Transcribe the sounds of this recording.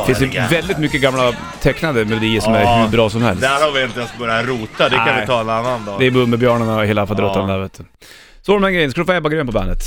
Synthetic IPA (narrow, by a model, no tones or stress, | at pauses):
fɪnsd̪ɛvɛld̪ɪt̪mʏkːəɡamːla | t̪ʰɛknad̪əmɛlʊd̪iːəʂɔmæɾhʉbɾɑːsɔmhɛ̰lsdaɾɔvɪənjaskabœɾjaɾuːt̪ad̪ɛanɪt̪ʰɑːɛnanːand̪ɑːd̪ɛːbɵmːəbjœːɳəɳaheːlafald̪ɾɔt̪ːanlɛɾveːt̪ːə | sɔaɾɔmæːɾɡɾɛjənsklfajɛbaɡɾøːnpʰɔbɛ̰ːnət̪